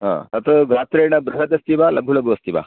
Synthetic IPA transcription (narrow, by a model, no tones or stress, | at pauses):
ɦã̰ːt̪ɐt̪ɐɡaːt̪ɾeːɳɐbɾɐɦɐd̪ɐst̪iʋaːlɐbʱulɐbuʋɐst̪iʋa̰ː